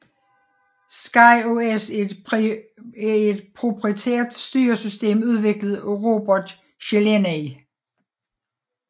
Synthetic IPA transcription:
sɡ̥ɑ̈ɪoes | æe̝d̥pʰʁopʰʁit͡sʰḛːɐd̥sd̥y̰ːɐsysd̥e̝̰ːmuð̞ˠʋe̝ɡ̥ləð̞̩ˠʁo̝b̥ɒd̥ | ɕeleneɪ

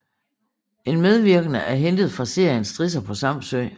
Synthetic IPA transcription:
e̝nmeð̞ˠʋiɐɡ̥ənəʔæɐɦend̥ð̞̩ˠfʁɑ̈se̝ɐ̰jənsd̥ʁis̬ɐpʰɒ̽sɑ̈m̰søɪ̰

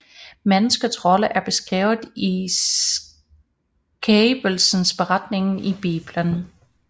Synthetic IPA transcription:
menəsɡ̥əsʁɒ̽ləʔæɐb̥e̝sɡ̥ʁɛ̰ːʊð̩ˠis | ɡ̥ʰeːb̥əl̩sən̩sb̥e̝ʁɑ̈d̥ne̝ŋn̩ib̥ḭːb̥lən

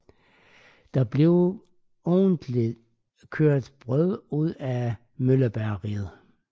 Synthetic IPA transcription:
d̥ɑ̈b̥le̝ʊ | ɔːnd̥li̥ | kʰøɐ̰d̥b̥ʁœð̰ˠuð̰ˠæ | mølɐb̥æɐʁiːð̩ˠ

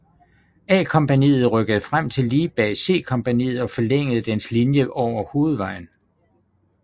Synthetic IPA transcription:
ɛ̰ːkʰɒ̽mpænḭːð̩ˠʁœɡ̥əð̞̩ˠfʁam̰t͡sʰe̝lːiːb̥ɛːse̝̰ːkʰɒ̽mpænḭːð̞̩ˠɒ̽fɒ̽leŋ̰əð̞̩ˠd̥enslinjəʔɒʊ̰ɐho̝ːð̞̩ˠʋɑ̈ɪ̰n̩

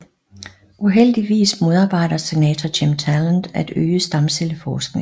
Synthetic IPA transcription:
ʔuɦel̰d̥iʋḭːsmo̝ð̞ˠɑ̈ːb̥ɑ̈ɪ̰ɾ̥ɐse̝nɛ̰ːt͡sʰɐt͡ɕʰemt͡sʰælænd̥æd̥ø̰ːəsd̥ɑ̈mseləfɒːsɡ̥ne̝ŋ

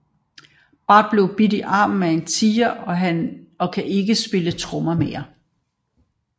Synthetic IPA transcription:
b̥ɑ̈d̥̚b̥le̝ʊb̥idiʔɑ̰̈ːm̩meent͡sʰiːɐʔɒɒ̽kʰæʔe̝ɡ̥əsb̥e̝lət͡sʰʁɔmɐmejɐ

